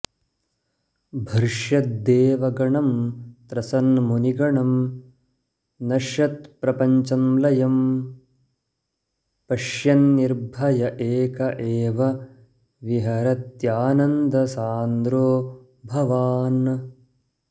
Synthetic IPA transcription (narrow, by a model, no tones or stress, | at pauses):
bʱɐɾʂjɐt̪̚d̪eːʋɐɡɐɳɐmt̪ɾɐsɐnmuniɡɐɳɐm | nɐʃjɐt̪̚pɾɐpɐɲt͡ʃɐmlɐjɐm | pɐʂjɐnːiɾbʱɐjɐʔeːkɐʔeːʋɐ | ʋiɦɐɾɐt̪jaːnɐnd̪ɐsaːnd̪ɾoː | bʱɐʋaːn